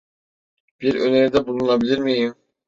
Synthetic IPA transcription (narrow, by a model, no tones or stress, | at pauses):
b̥iɾøneɾd̪ɛbulˠunnˠɑbiliɾmijim